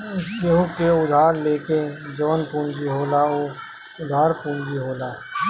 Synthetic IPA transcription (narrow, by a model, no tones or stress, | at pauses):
ɡeɦʊkeʊd̪ʱaːɾleːked͡ʒəʋənpũːnd͡ʒiɦoːlaoː | ʊd̪ʱaːɾpũːnd͡ʒiɦoːlaː